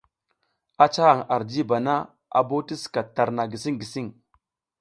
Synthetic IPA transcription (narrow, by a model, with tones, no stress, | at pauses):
a˦t͡ʃa˦ha˨ŋa˨ɾd͡ʒi˦ba˨na˦ | a̰˨bo˦ti˦ska˨ta˨ɾna˨ɡi˨si˦ŋɡi˨si˦ŋ